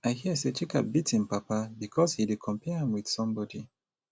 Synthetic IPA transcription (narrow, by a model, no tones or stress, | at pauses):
aɪhiəset͡ʃika̰bitĩnpapabikʰɔshidikʰɔ̃mpɛãmwið̥sɔ̃mbɔdi